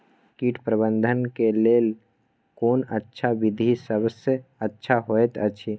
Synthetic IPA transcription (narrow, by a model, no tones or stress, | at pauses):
kiːʈʰpɾəbə̃nd̪ʱənkeleːl | koːnətːʃʰaʋɪd̪ʱisəbəsəətːʃʰaɦoet̪ət͡ʃʰi